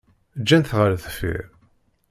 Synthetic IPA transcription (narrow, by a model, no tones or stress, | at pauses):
d͡ʒːænθʁəɾθəfḭɾ